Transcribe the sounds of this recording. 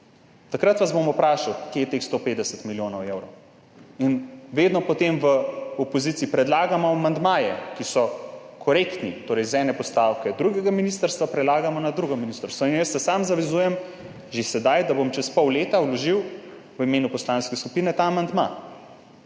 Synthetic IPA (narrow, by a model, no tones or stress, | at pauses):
t̪akɾat̪ʋazbomupɾaːʃawkjejɛt̪exst̪opeːd̪d̪ɛsɛt̪miljoːnɔwewɾɔw | inʋeːd̪nɔpɔt̪emʋəopɔzit̪siːpɾɛd̪laːɡamɔmand̪maːjɛ̰kisɔ | kʰɔɾekt̪nit̪oːɾɛjzɛnɛpɔst̪aːwkɛd̪ɾuɡɛɡaminist̪əɾst̪ʋapɾɛd̪laːɡamɔnad̪ɾuɡɔminist̪əɾst̪ʋɔinjəst̪sɛsamzaʋɛzuːjɛm | ʒesɛd̪ajd̪abomt͡ʃɛspɔwleːt̪awlɔʒiw | ʋəimeːnupɔslanskɛskupinɛt̪amand̪ma̰